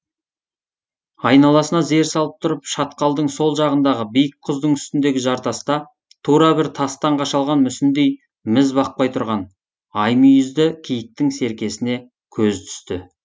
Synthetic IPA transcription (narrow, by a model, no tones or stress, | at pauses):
ɑjnɑlˠɑsənɑze̞ɾsɑlˠəp̚t̪ʰʊɾəpʃɑt̪qɑlˠd̪əɴso̞lˠʒɑʁənd̪ɑʁəbijək̚qʰʊzd̪əɴʏst̪ɪnd̪e̞ɡʲɪʒɑɾt̪ɑst̪ɑ | t̪ʰuɾɑbɪɾt̪ʰɑst̪ɑɴqɑʃɑlˠʁɑnmʏsɪnd̪ej | mɪzbɑq̚pɑjt̪ʰʊɾʁɑn | ɑjmijʏzd̪ɪkʲʰijɪk̚t̪ɪŋse̞ɾkʲe̞sɪne̞ | kʲʰɵzt̪ʰʏ̥st̪ɪ